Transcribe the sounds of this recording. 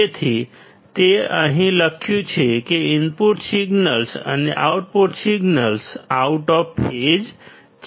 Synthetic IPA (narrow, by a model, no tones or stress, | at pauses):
et̪ʰi | t̪eəɦĩləkʰjũt͡ʃʰekeɪmpuʈsiɡnəlsə̰neʔa̰ʊʈ̚puʈsiɡnəlsauʈɔpːed͡ʒ | t͡ʃ